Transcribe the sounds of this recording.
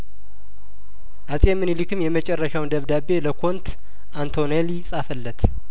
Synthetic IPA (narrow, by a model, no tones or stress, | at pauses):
ʔasʼemːɨnilɨkɨmjɛmət͡ʃʼɛrːəʃawnd̪əβd̪abe̞ləkʰo̞nt̪ʰ | ʔant̪ʰo̞nelisʼafəlːət̪ʰ